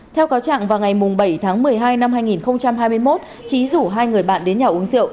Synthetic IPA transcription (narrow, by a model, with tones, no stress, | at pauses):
t̪ʰɛ˧wkaː˨˦wt͡ɕa̰ː˧˨ŋvaː˨˩wŋa˨˩jmʊ˨˩ŋ͡mɓə˧˩jt̪ʰaː˨˦ŋmɨ˨˩əjɦaː˧jna˧mɦaː˧jŋi˨˩nxə˧wŋ͡mt͡ɕa˧mhaː˧jmɨ˧əjmo˦˥t̚ | t͡ɕi˨˦zu˧˩ɦaː˧jŋɨ˨˩əjɓa̰ː˧˨nɗe˨˦nɲaː˨˩ʔu˨˦əŋsḭ˧˨ə˨w